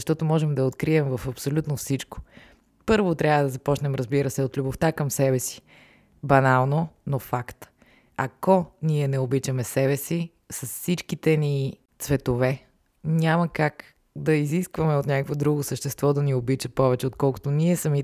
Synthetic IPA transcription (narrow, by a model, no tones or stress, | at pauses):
zɐʃt̪ɔt̪omɔʒɛmd̪ɐot̪kɾiɛmvɐfɐpsolʲut̪nofsit͡ʃko̥ | pɤɾvot̪ɾʲavəd̪ɐzɐpɔt͡ʃnɛmɾɐzbiɾəsɛot̪lʲuboft̪akɐmsɛbɛsi̥ | bɐnalˠnonofakt̪ | ɐkoniɛnɛobit͡ʃɐmɛsɛbɛsi | sɐssit͡ʃkit̪ɛni | t̪svɛt̪ovɛ | nʲamɐkak | d̪ɐiziskvɐmɛot̪nʲakəkvod̪ɾuɡosəʃt̪ɛst̪vɔd̪ɐniobit͡ʃɐpɔvɛt͡ʃɛot̪̚kɔlˠko̥t̪onʲiɛsɐmi